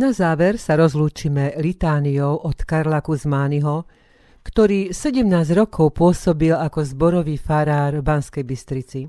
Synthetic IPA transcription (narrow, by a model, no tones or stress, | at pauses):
nazaːʋɛɾsaɾɔzluːt͡ʃimɛlit̪aːnijɔʊʔɔt̪kaɾlakuzmaːniɦɔ | kt̪ɔɾiːsɛɟɛmnaːzɟɾɔkʰɔʊpʊɔsɔbilakɔzbɔɾɔʋiːfaɾaːɾbanskɛjbist̪ɾit͡si